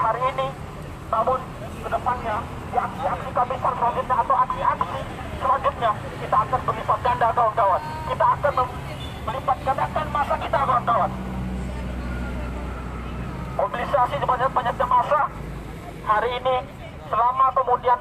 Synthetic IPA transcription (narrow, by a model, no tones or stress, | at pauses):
haɾiːni | namʊn | ɡənəpanɲa | diaksiaksikamɪp̪ərpɾosɪt̪̚ɲaːt̪awaksiaksi | səlaɲd͡ʒʊt̪̚ɲa | kit̪aːkanməlipat̪̚ɡandakawanɡawan | kit̪aːkanməŋ | əlipat̪̚ɡandakanmasakit̪akaaŋɡawan | kɔminisasid͡ʒubaɲak̪̚bad͡ʒak̪̚ɲamasa | haɾiːni | səlamakəmudian